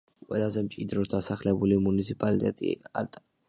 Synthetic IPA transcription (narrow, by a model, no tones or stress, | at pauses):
qʼwɛlˠazɛmt͡ʃʼid̪ɾɔd̪asaχlɛbulimunit̪sʰipʼalit̪ʼɛt̪ʼḭa̰lt̪ʼ